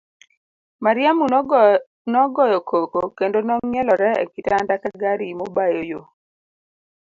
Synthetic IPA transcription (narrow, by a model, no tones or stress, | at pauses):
maɾjamu | nɔɡɔjɔkʰokokendonɔŋɲɛlɔɾɛḛkitandakaɡaɾimobajojo